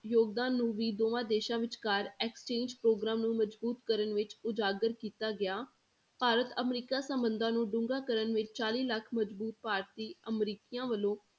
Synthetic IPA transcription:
joːɡ̚d̪ãːnːũːʋiːd̪oːʋãːd̪eːʃãːʋɪt͡ʃkaːɾɛkst͡ʃeːɲd͡ʒpɾoːɡɾaːmnũːməd͡ʒbuːt̪kəɾənʋɪt͡ʃʊd͡ʒaːɡəɾkiːt̪aːɡɪjaː | paːɾət̪əmɾiːkaːsəmbənd̪ãːnũːɖʊ̃ŋɡaːkəɾənʋɪt͡ʃt͡ʃaːliːləkʰməd͡ʒbuːt̪̚paːɾt̪iːəmɾiːkijãːʋəlõː

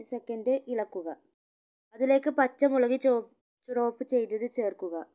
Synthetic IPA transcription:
sekːɐndɨʔiɭɐkːuɣɐ | ɐðile̞ːkːɨpɐt͡ɕːɐmuɭɐɣit͡ɕoː | t͡ɕuro̞ːpːɨt͡ɕe̞jt̪ːɐðɨt͡ɕe̞ːrkuɣɐ

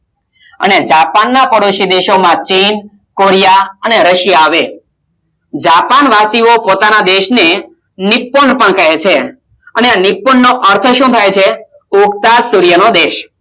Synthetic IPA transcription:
ə̰ned͡ʒapanːapəɽoʃid̪eʃomãt͡ʃin | koɾijaəneɾəʃjaːʋe | d͡ʒapanʋasiopot̪anad̪eʃne | nipːəɳpəɳkəɦet͡ʃʰe | əneanipːənːoʔəɾt̪ʰəʃũt̪ʰajt͡ʃʰe | ukt̪asuɾijənod̪eʃ

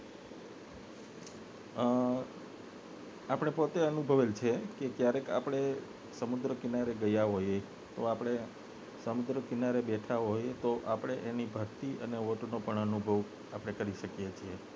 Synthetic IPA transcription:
apɽ̃epot̪eənubʱəʋelt͡ʃʰekekjaɾeka̰pɽ̃e | səmud̪ɾəkinaɾeɡəjaɦoje | t̪oapɽ̃e | səmud̪ɾəkinaɾebɛʈʰaɦojet̪oʔapɽ̃eʔenibʱəɾt̪iəneʋoʈnopəɳənubʱəʋ | apəɽ̃ekəɾiʃəkjet͡ʃʰie

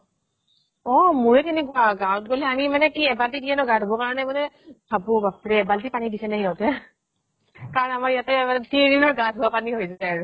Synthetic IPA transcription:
ɔmuɹɛtiniɡaɡawɔtɡolɛamimanɛkiɛbaltidiɛnɔɡãwtɔbɔkaɹɔnɛmɔnɛ | bʱabubapɹɛɛbaltipanidisɛnaɦiɔtɛ | kaɹɔnamaɹijatɛtindinɔɹɡasbɔapaniɦojsɛɛaɹu

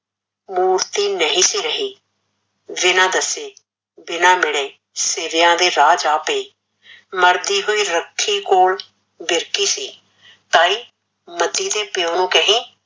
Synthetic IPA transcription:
muːɾt̪iːnəɦĩːsiːɾəɦiː | ʋɪnãːd̪əseː | bɪnãːmɪɽeː | seːʋɪjãːd̪eːɾaːd͡ʒaːpeː | məɾd̪iːɦoːiːɾəkʰːiːkoːl | bɪɾkiːsiː | t̪aːiː | məd̪iːd̪eːpɪoːnõːkəɦĩː

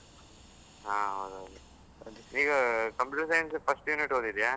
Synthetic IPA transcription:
ɦaːɦoːd̪uɦoːd̪u | ɐd̪uiːɡɐkɐmpuʈsɐjnspʰɐsʈjuːniʈɦoːd̪id̪jaː

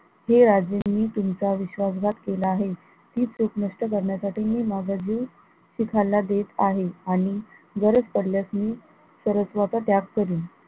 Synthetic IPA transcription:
heɾad͡zjenːiːt̪umt͡saʋiɕʋasɡʱat̪kelaːɦe | t̪iːt͡suknəʂʈək̬əɾɳjasaʈiːmiːmad͡zʱad͡ʑiw | ɕikʰalːad̪et̪aɦeaɽ̃iɡəɾəspəɽljasniː | səɾəsʋat͡sat̪jaɡkəɾiː

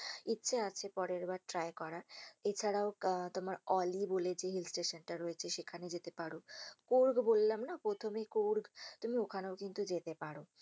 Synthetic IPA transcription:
itːɕʰeat͡ɕʰepɔɾeɾbaɾʈɾaekɔɾaet͡ɕʰaɽaot̪omaɾɔliboled͡ʑeɦilsʈeʃanʈaɾojet͡ɕʰeʃekʰaned͡ʑet̪epaɽokoɾɡbolːamnapɾot̪ʰomekoɾɡt̪umiokʰaneokint̪ud͡ʑet̪epaɽo

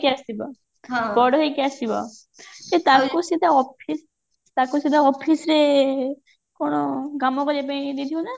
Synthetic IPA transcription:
kiasiba | ɦabɔɽɔɦekiasibɔ̰ | t̪et̪akusit̪aɔpʰis | t̪akusĩt̪aɔpʰisɾe | kɔɽ̃ɔɡamɔkɔɾap̬aĩd̪it̪ʰiona

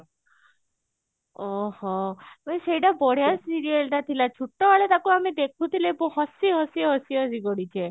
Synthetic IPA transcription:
ɔhɔpaʃeiʈabɔɽ̤jasiɾiəlʈat̪ʰilat͡ʃʰuʈːɔʋaɭet̪akuamed̪ekʰũt̪ileboɦɔsiɦɔsiɦɔsiɔsiɡɔɽit͡ʃʰe

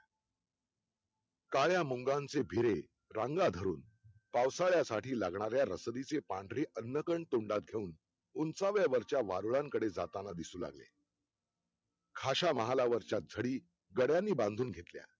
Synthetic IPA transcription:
kaɭjamuŋɡãnt͡sebʱiɾe | ɾaŋɡad̪ʱəɾṵːn | pawsaɭjasaʈʰiːlaɡɳaɾjaɾəsd̪it͡sepaɳɖɾeʔənːəkəɳɖt̪oɳɖat̪̚ɡʱeuːn | unt͡saʋjaʋəɾt͡ɕjaʋa̰ɾuɭãŋkəɽed͡zat̪anad̪isuːla̰ɡlḛ | kʰaɕaməɦalaʋəɾt͡ɕat̪̚d͡zʱəɽiː | ɡəɽjanːiːbãnd̪ʱuːnɡʱet̪lja̰

